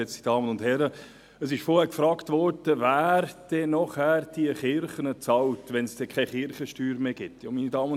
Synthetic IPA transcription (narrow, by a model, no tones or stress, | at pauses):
ɛt͡si̥d̥ɑːmənʊnd̥hɛɾə | əsɪʃfɔɾhɛːkfɾɑːktʋɔɾd̥əvæːɾd̥ɛnɔχhæːɾd̥iəχɪɾχənət͡sɑltʋɛnsd̥ɛkʰɛjχɪɾχəʃtyːɾmeːɡ̥ɪtʰːjoːminidɑːmə